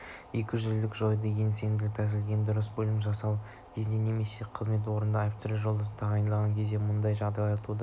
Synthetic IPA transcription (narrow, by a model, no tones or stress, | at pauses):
ekʲɪʒɪlɪkʒo̞jəd̪eɡʲe̞nse̞ŋɡ̪ʲɪlɪt̪ʰæsɪlɡʲe̞nd̪ʊɾəsbɵlʲɪmʒɑsɑw | b̥ezd̪ene̞me̞se̞qʰəzme̞t̪̬wo̞ɾənd̪ɑjpt̪ɾeʒo̞lˠd̪ɑst̪ʰɑʁɑjnlˠɑʁɑŋkʲʰe̞zd̪e̞mʊnd̪ɑjʒɑʁd̪ɑjɑjt̪ud̪ə